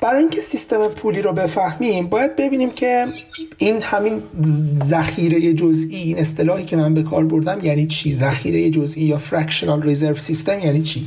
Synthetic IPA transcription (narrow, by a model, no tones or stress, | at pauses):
b̥æɾɒːjiːŋcʰe̞sist̪e̞mepʰuːliːɾobe̞fæhmiːmbɒːjæd̪̚be̞biːniːmcʰe̞ | ʔiːnhæminzæxiːɾeje̞d͡ʒozʔiːiːne̞st̪e̞lɒːhiːcʰe̞mænbe̞kʰɒ̰ːɾbo̞ɾd̪æmjæːniːt͡ʃʰiːzæxiːɾejed͡ʒozʔiːjɒːfɾæcʃonɒlrize̞ɾvsist̪e̞mjæːniːt͡ʃʰiː